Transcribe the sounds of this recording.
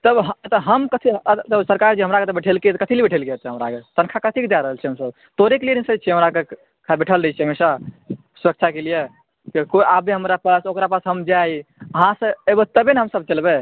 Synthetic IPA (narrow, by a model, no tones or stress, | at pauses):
t̪əbɦt̪əɦəmkət̪ʰit̪əsəɾkaɾd͡ʒeɦəmɾaket̪əbeʈʰelket̪kət̪ʰilibeʈʰelket͡ʃʰɛɦəmɾaket̪ənkʰakət̪ʰikd̪aɾəɦəlt͡ʃʰɛɦəmsəb | t̪oɾiklienisəd͡ʒ̚t͡ʃʰiɦəmɾake | kʰabeʈʰəlɾəɦɛt͡ʃʰɛɦəmesa | suɾək̚t͡ʃʰakelije | kekoiʔabeɦəmɾapasokɾapasɦəmd͡ʒajəɦãsəebət̪əbenɦəmsəb̚t͡ʃəlbe